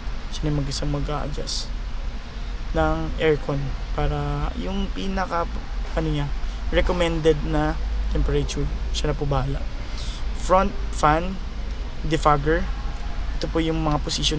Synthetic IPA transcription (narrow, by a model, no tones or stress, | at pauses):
ʃanɐmɐɡɪsɐŋmɐɡa̰ːʔɐ̰d͡ʒa̰s | nɐŋʔɛɹkʰonpaːɾɐjʊŋpiːnɐkɐʔɐnoɲaɹɛkomɛnd̪ɛd̪̚nɐt̪ɛmpɛɾɐt͡ʃuɹʃanɐpʊbaːlɐ̰ | fɾont̪̚fan | d̪ɪfaɡɛɹʔɛt̪opojʊŋmɐŋaposɪʃo